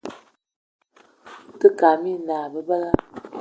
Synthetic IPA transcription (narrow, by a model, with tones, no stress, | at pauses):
tə˦ka˨mi˦˨naː˨bə˦bə˦la˦